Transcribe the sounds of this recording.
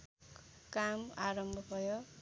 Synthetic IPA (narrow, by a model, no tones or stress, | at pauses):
kamaɾʌmbʱʌbʱʌjo